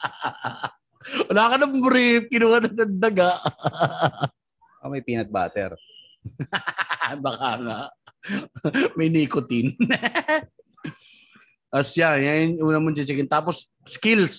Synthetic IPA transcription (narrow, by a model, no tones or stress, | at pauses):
wɐlaːkɐnɐmbɾikɪnuːhɐnɐɐnd̪ɐɡaʔ | ʔo̰mɐjpiːnɐt̪̚ba̰ːt̪ɛ̰ɾ | bakaŋa | mɐjnikʊt̪ɪn | ʔɐsjajanuːnɐmʊnt͡ʃɐt͡ʃɪkɪnt̪aːpos | skɪls